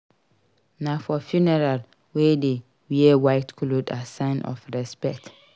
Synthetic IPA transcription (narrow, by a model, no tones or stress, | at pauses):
nãfɔfjunɛɹal | wede | wiewaɪtkʰlodasãɪ̃nʔɔ̰fɹɛspɛk̚t